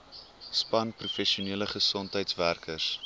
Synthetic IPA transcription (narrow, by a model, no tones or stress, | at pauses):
spɐnprufɛʃiuniələχəsɔntɦəjtsværkʰərs